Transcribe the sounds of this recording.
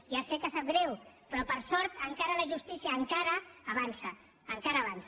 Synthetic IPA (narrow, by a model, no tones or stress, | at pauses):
iasekasaɣɾɛwpɾɔpəɾsɔɾt̪əŋkaɾələʒust̪isiaːŋkaɾəːβansəː | ŋkaɾəːβans